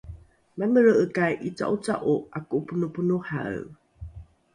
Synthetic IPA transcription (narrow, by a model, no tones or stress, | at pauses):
maməɻəʔəkajʔit͡sa̰ʔut͡sa̰ʔuʔakupunupunuħa̰